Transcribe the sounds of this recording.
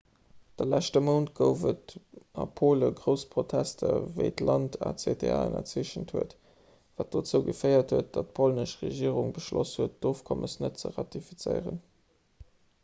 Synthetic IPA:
d̥əlæʃtəməʊntɡəʊvətɑpʰoːləɡʁəʊspʁotʰæstʰɐvəɪtlɑntʰɑ̰t͡sedʰea̰ənɐ̰t͡siʃənthuət | vaːt̚d̥oːt͡səʊɡəfəɪɐthuət̚d̥ɑt̚pʰolnəʃʁeʒiəʁuŋbəʃlɔ̰shuət̚d̥oːfkʰɔmʔəsnət̚t͡səʁɑtifit͡səɪʁə̰n

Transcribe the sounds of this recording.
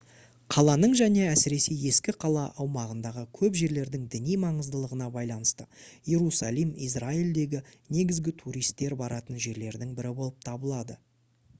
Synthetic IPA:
qʰɑlˠɑnəɴʒæne̞æsɪɾe̞seje̞skʲɪqʰɑlˠɑʔɑwmɑʁənd̪ɑʁəkʲʰɵpʒe̞ɾle̞ɾd̪ɪŋd̪ɪnijmɑɴəzd̪əlˠəʁənɑbɑjlˠɑnəst̪əje̞ɾusɑlˠijmis̬raild̪e̞ɡʲɪne̞ɡʲɪzɡʲɪt̪ʰuɾijst̪ːe̞ɾbɑɾɑt̪ənʒe̞ɾle̞ɾd̪ɪŋbɪɾɪbo̞lˠəp̚t̪ʰɑbəlˠɑd̪ə

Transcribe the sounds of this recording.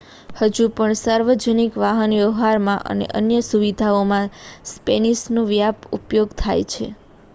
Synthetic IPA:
həd͡ʒupəɳsaɾʋəd͡ʒənikʋaɦənjəɦaɾmãʔə̰nḛʔənjəsuʋid̪ʱaomãspenisnõʋjapupjoɡt̪ʰa̰jt͡ʃʰḛ

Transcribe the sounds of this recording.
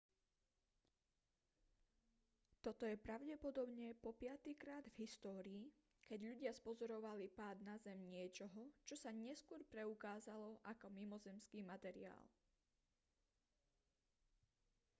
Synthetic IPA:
t̪ɔt̪ɔjɛpɾaʊɟɛpɔd̪ɔbɲɛpɔpɪat̪ikɾaːd̪vɦist̪ɔːɾiː | kɛɟʎuɟɪaspɔzɔɾɔʋalipaːd̪nazɛmɲɪɛt͡ʃɔɦɔt͡ʃɔsaɲɛskʊɔɾpɾɛukaːzalɔʔakɔmimɔzɛmskiːmat̪ɛɾḭa̰ːl

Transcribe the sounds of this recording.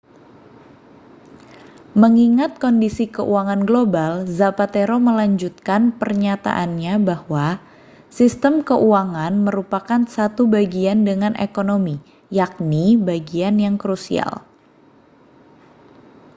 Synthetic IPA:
məŋiŋat̪̚kɔndisikəʔuaŋanɡlobalzapat̪eɾoməlaɲd͡ʒut̪̚kanpərɲat̪a̰ʔanɲabahwa | sist̪əmkəʔuaŋanməɾupakansat̪ubaɡiandəŋanʔḛkonomi | jak̚nibaɡianjaŋkɾusḭa̰l

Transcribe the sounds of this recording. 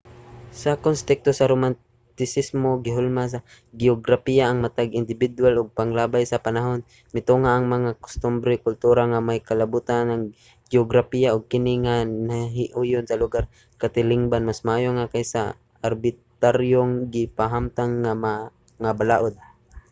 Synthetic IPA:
sakonst̪ɛk̚t̪osaɾoman | t̪ɪsɪsmoɡɪɦʊlmas̬a | ɡɪoɡɾapijaʔːŋmat̪aɡɪnd̪ɪbɪd̪walʔʊɡ̚paŋlaːbajsapanaɦon | mɪt̪uŋaʔːŋmɐŋakʊ̥st̪ʊmbɾɛkʊlt̪uːɾaŋamajkɐlabut̪anaŋ | ɡ̥joɡɾapijaʔʊɡ̚kɪnɪŋanaɦɪʔʊjʊnsɐlʊɡar | kat̪ɪlɪŋbanmasmaʔaːjoŋakajsa̰ | ʔaɾbɪt̪aɾjoŋɡɪpaɦamt̪aŋːama | ŋabalaːʔod̪̚

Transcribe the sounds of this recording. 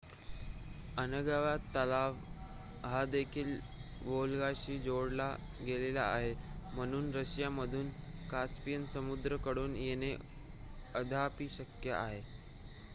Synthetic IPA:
ənəɡaʋat̪ːəlaʋ | ɦad̪ekʰiːl | ʋolɡaɕiːd͡zoɽla | ɡelela̰ːɦem̤əɽ̃uːnɾəɕjaməd̪ʱuːnkaspijənsəmud̪ɾəkəɽuːnjene | əd̪ʱapiːɕəkjə̰ʔa̰ɦe

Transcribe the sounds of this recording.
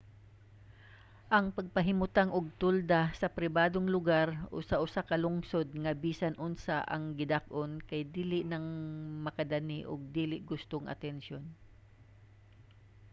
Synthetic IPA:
ʔɐŋpɐɡ̚pɐɦɪmʊt̪aŋʔʊɡ̚t̪ʊld̪asɐpɾɪbaːd̪oŋlʊɡaɾʔʊ̰saʔʊsakɐlʊŋsod̪̚ŋɐbiːsɐnʔʊnsaʔɐ̰ŋɡɪd̪ak̚ʔonkɐjd̪iːlɪʔnɐŋmɐkɐd̪anɪʔo̰ɡ̚d̪iːlɪʔɡʊst̪oŋʔɐ̰t̪ɛnʃjon

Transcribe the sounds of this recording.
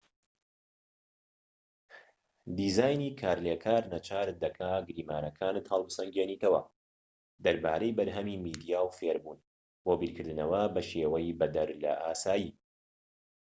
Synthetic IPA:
d̪iːzaːjniːkʰaːɾlekʰaːɾnɐt͡ʃʰaːɾd̪ɐkʰaːɡɾiːmaːɾɐkʰaːnɨt̪hɐlˠbɨsɐŋɡeːniːt̪ɐwɐ̰ | d̪ɐɾba̰ːɾejbɐɾɦɐmimiːd̪ijaːwfeːɾbuːn | wobiːɾkʰɨɾd̪ɨnɐwɐbɐʃeːwɐjbɐd̪ɐɾlɐ̰ʔaːsaːji

